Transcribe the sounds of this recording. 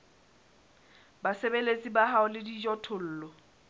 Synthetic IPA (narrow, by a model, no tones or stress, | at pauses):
basebelet͡sʼibaɦaʊlɪdid͡ʒɔtʰʊl̩ːlɔ